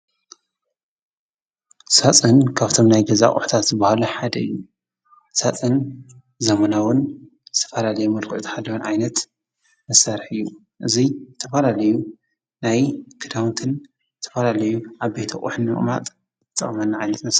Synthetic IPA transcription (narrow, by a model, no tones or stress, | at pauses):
sat͡sʼɨnkʰaβt̪ʰo̞mnajɡɐza̰χʼṵħt̪ʰat̪zɨbahaluħad̪ɐɨjːu | sat͡sʼɨn | zɐmɐnawʊn | zɨt̪ʰɐ̥fɐlalɐjumɐlkʰuʕʔt̪ʰħalːɐwunʕajnɐt̪ | mɐsɐɾħɨjːu | ʔɨzizɨt̪ʰɐfɐlalɐju | najkʰɨd̪awnt̪ʰɨn | zɨt̪ʰɐ̥fɐlalɐjuʕaβbejt̪ʰɐχʼṵħɨnːɨχʼma̰t̪ʼ | ɨt̪t̪ʼːɐ̰χʼɐmɐnːaʕajnɐt̪mɐs